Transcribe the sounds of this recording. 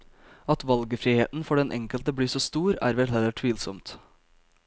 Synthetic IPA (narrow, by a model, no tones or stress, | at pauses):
ɑt̪ʋɑlɡəfɾiːheːt̪n̩fɔɖɛnʔɛ̰ŋkəlt̪əbliːsoːst̪uːɾæ̰ːɾʋɛlɦɛlːəʈʰʋiːlsɔmt̪